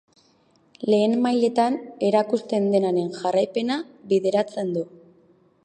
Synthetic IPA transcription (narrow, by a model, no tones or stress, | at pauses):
le̞ːnmajle̞t̪ane̞ɾakust̪e̞nd̪e̞naɾe̞nʝarajpe̞naβiðe̞ɾat͡se̞nd̪u